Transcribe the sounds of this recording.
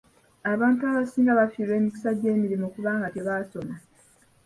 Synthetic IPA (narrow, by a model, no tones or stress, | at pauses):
aβaːntuaβasiːŋɡaβafiːɾwe̞ːmiki̥saɟe̞ːmiɾimoːkuβaːŋɡate̞βaːso̞na